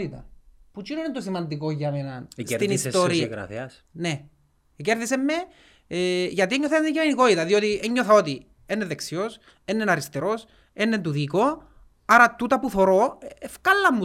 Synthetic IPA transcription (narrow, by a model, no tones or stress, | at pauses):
it̪ɐ̰put͡ʃinoinet̪osimɐnd̪ikoʝːɐmenɐnst̪inist̪oɾiɾɐ̰θɐs | ne | ceɾðisemːe | eʝɐt̪ieɲːoθencɐmenikoit̪ɐðiot̪ieɲːoθɐot̪i | enːeðeksio̞s | enːenɐɾist̪eɾo̞s | enːent̪uðiko̞ | ɐɾɐt̪ut̪ɐpuθo̞ɾo̞efkɐlːɐmːu